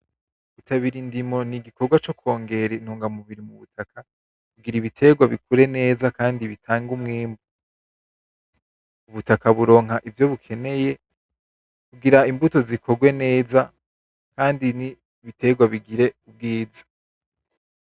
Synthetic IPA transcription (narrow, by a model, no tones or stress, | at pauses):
utaβiɾindimo̞niɡiko̞ɡwat͡ʃo̞kwo̞ːŋɡe̞ɾenuːŋɡamuβiɾimuβutʰaka | kuɡiɾiβitʰe̞ɡwaβikuɾe̞ne̞ːzakaːndiβitʰaːŋɡumŋiːmbu | uβutakaβuɾo̞ːŋɦaʔivjo̞βukʰe̞ne̞je̞ | kuɡiɾaimbuto̞zikʰo̞ɾɡwe̞ne̞ːza | kaːndini | βite̞ɡwaβiɡiɾe̞ub̚ɡiːzḁ